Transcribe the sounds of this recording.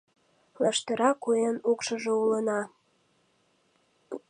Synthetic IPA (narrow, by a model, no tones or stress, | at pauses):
lɑʃt̪əɾɑkuenukʃəʒeulənɑ